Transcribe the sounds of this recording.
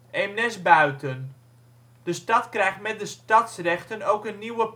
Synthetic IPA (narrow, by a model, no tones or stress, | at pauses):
ʔɛmnɛsbœɥtən | dəstɑtkrɛjχtmɛt̚dəstɑtsrɛχtənowkənːiwəp